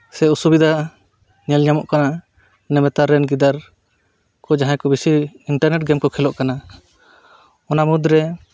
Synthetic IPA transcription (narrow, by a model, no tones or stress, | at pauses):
sɛusubid̪ʱa | ɲɛlɲamɔʔkana | nɛmɛt̪aɾɛnɡid̪aɾ | kɔd͡ʒaɦãkɔbisiiɳʈaɾnɛʈ̚ɡɛmkɔkʰɛlɔʔkana | ɔnamud̪ɾɛ